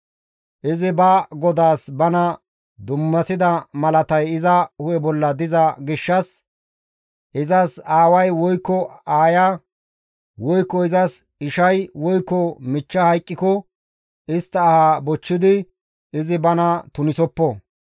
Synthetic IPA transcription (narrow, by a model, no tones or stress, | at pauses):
ʔɪzɪbɐɡɔd̪aːsbɐnɐ | d̪ʊmːɐsɪd̪ɐmɐlɐt̪ɐjɪzɐhʊjɛbɔlːɐd̪ɪzɐɡɪʃːɐs | ʔɪzɐsaːwɐjwɔjkːɔaːjɐ | wɔjkːɔɪzɐs | ɪʃɐjwɔjkːɔmɪt͡ʃːɐhɐjkʼːɪkɔ | ɪst̪ːɐːhabɔt͡ʃːɪd̪ɪ | ɪzɪbɐnɐt̪ʊnɪsɔpːɔ